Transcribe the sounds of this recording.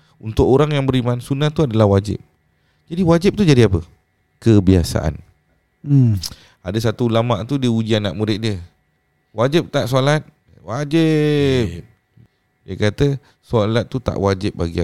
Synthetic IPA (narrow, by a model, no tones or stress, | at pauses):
unt̪ʊkoɾaŋjaŋbəɾimansunaht̪uadalahwad͡ʒɪ̰p̚ | d͡ʒadiwad͡ʒɪp̚t̪ud͡ʒadiapə | kəbiasa̰ʔa̰n̩ | adasat̪uulamaʔt̪udiəud͡ʒianːaʔmuɾɪʔ̪̚diə | wad͡ʒɪp̚t̪aʔsolat̪̚ | wad͡ʒɪpp̚ | diakat̪ə | solat̪̚ːut̪a̰ʔwad͡ʒɪp̚baɡia